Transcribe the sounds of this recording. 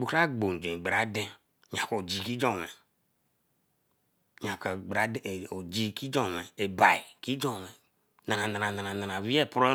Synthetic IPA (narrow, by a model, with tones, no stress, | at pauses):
ɡ͡bu˨ka˦ɡ͡bo˨n˨d͡ʒẽ˨ɡ͡bɾa˨˦de˦ | ɲa˨ko˨d͡ʒi˨ki˦d͡ʒɔ˦˨ŋɛ˨ | ɲã˨ka˨ɡ͡bɾa˨˦do˨d͡ʒi˦ki˦d͡ʒɔ˨ŋɛ˨e˨ba˨i˨ki˦d͡ʒɔ˨ŋɛ˨ | na˨ã˨na˨na˨na˨nã˨na˨nã˨vi˦ɛ˦˨pɾɔ˦